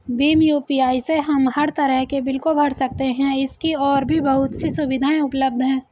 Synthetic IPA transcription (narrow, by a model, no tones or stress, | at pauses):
biːmjuːpiaːiseɦɐmɦɐɾt̪ɐɾəɦkebɪlkʊobʱɐɽ̤sɐk̚t̪eɦɛ̃ɪskiɔːɾbʱibɐɦʊt̪sisʊʋɪd̪ʱaːẽʊpləb̚d̪ʱɦɛ̃ː